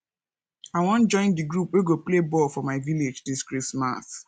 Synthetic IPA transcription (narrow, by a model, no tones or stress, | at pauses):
aɪwɔ̃nd͡ʒɔ̃ɪ̃ndiɡɹupweɡoplebɔlfɔmaɪviled͡ʒdiskɹisma̰s